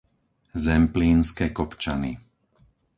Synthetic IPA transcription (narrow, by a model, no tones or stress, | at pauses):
zɛmpliːnskɛːkɔpt͡ʃanḭ